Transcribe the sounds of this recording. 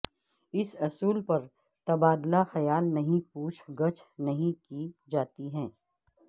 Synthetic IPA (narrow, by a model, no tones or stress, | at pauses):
ɪsɐsuːlpɐɾ | t̪ɐbaːd̪laxɐjaːlnɐɦĩpuːt͡ʃʰɡɐt͡ʃʰnɐɦĩkid͡ʒaːt̪iɦɛ̃ː